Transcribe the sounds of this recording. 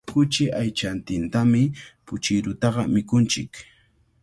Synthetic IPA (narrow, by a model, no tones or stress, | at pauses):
kʊt͡ʃɪʔajt͡ʃant̪ɪnt̪amɪpʊt͡ʃɪɾʊt̪ɑɢɑmɪkʊnt͡ʃɪ̰k